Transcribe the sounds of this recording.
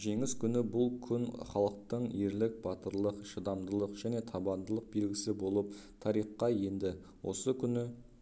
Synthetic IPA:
ʒe̞ŋɪskʲʰʏnɪbʊlˠkʲʰʏnχɑlˠəq̚t̪əɴeɾlɪk̚b̥ɑt̪əɾlˠəqʃəd̪ɑmd̪əlˠəqʒ̥æne̞t̪ʰɑbɑnd̪əlˠəq̚be̞lɡʲɪsɪbo̞lˠəp̚t̪ʰɑɾijqːɑje̞nd̪ɪ | wʔo̞̰səkʲʰʏnɪ

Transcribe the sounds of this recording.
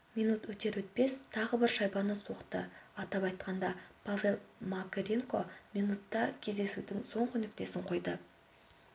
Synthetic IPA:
mijnut̪wɵt̪e̞ɾwɵt̪̚pe̞st̪ʰɑʁəbɪɾʃɑjbɑnəso̞qt̪əɑt̪ɑpɑjt̪qɑnd̪ɑpʰavʲe̞lˠmakʲeɾʲiŋko̞mijnut̪ːɑkʲʰe̞zd̪e̞sud̪ɪŋso̞ɴqʏnɪk̚t̪e̞sɪɴqʰo̞jd̪ə

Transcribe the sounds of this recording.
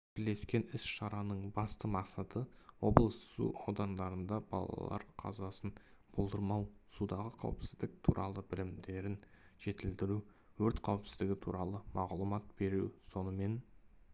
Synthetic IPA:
t̪ʰɪle̞skʲe̞nɪsʃɑɾɑnəɴbɑst̪əmɑqsɑt̪ʰəwo̞blˠəssṵɑwd̪ɑnd̪ɑɾənd̪ɑbɑ̰lˠɑ̰l̰lˠɑ̰ɾqʰɑ̰zɑsənb̥olˠd̪əɾmɑwsud̪ɑʁəqʰɑ̰wpsɪzd̪ɪk̚t̪ʰuɾʔɑ̰lˠəbɪlɪmd̪e̞ɾɪn | ʒ̥e̞t̪ɪld̪ɪɾu | wɵɾt̪qʰɑwpsɪzd̪ɪɡʲɪt̪ʰuɾɑlˠəmɑʁlˠumɑt̪̚be̞ɾuwso̞nəme̞n

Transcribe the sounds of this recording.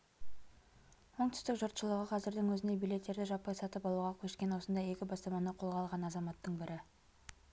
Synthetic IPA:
wo̞ɴt̪ʏ̥st̪ɪkʒʊɾt̪ʃəlˠəʁəqʰɑzɪɾd̪ɪŋwɵzɪne̞bijle̞t̪ːe̞ɾd̪ɪʒɑpːɑjsɑt̪əpɑlˠuʁɑkʲʰɵʃkʲe̞nwo̞sənd̪ɑje̞kʲɪbɑst̪ɑmɑnəqʰo̞lˠʁɑlˠʁɑnɑzɑmɑt̪ːəɴbɪɾʔɪ

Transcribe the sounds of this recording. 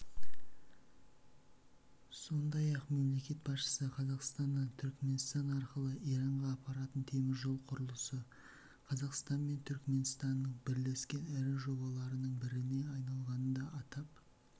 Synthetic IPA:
so̞nd̪ɑjɑqme̞mle̞kʲe̞t̪̚bɑsʃə̥səqʰɑzɑqst̪ɑnːɑnt̪ʰʏɾkme̞nst̪ɑnɑɾqəlˠəʔijɾɑɴʁɑːpːɑɾɑt̪ənt̪ʰe̞mɪzʒo̞lˠqʰʊɾəlˠəsə | qʰɑzɑqst̪ɑnme̞nt̪ʰʏɾkme̞nst̪ɑnːəɴbɪɾle̞skʲe̞næɾɪʒo̞bɑlˠɑɾənəɴbɪɾɪne̞ɑjnɑlˠʁɑnənd̪ɑʔɑt̪ɑp̚

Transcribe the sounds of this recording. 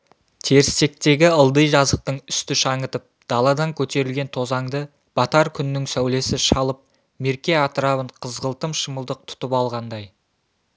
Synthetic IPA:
t̪ʰe̞ɾɪst̪e̞k̚t̪e̞ɡʲɪəlˠd̪əjʒɑzəq̚t̪əɴʏst̪ɪʃɑɴət̪əp̚d̪̥ɑlˠɑd̪ɑŋkʲʰɵt̪e̞ɾɪlɡʲe̞nt̪ʰo̞zɑŋd̪ə | b̥ɑt̪ɑɾkʲʰʏnːɪŋsæwle̞sɪʃɑlˠəp̚ | me̞ɾkʲe̞ɑt̪əɾɑβəɴqʰəzʁəlˠt̪əmʃəməlˠd̪əq̚t̪ʰʊ̥t̪əpɑlˠʁɑnd̪ɑj

